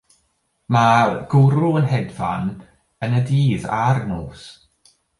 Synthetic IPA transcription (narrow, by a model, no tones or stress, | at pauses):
maɡ̥ʊɾʊənɦɛdva̰n | ənədiːðarnoːs